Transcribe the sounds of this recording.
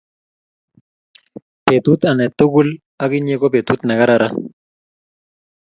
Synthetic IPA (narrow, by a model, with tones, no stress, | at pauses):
pe˨t̪u˦t̪a˨nɛ˨t̪ːʊ˦ɡu˦l | a˦kɪ˦ɲe˦kɔ˦pe˨t̪u˦t̪na˨ɡa˦ɾa˦ɾa˦